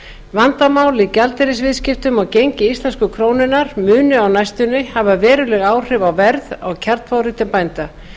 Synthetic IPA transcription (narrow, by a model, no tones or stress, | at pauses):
vant̪amaːwlicalt̪ɛɾɪsvɪðscɪft̪ʏmawcejɲcɪist̪lɛnskʏkʰɾoːwnɪnaɾ̥mʏːnʏawnajst̪ʏnːɪhavavɛːɾʏlɛɣaːwr̥ɪvawvɛɾða̰wcʰaɾ̥t̪fawriːt̪ɪmpajnt̪a